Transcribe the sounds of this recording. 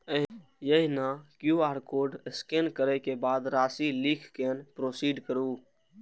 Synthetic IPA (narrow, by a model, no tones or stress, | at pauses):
ə | jəɦinakjuaːɾkoːɾɖskenkəɾɛkebaːd̪ɾaːsilikʰkenpɾoːsiɖkəɾu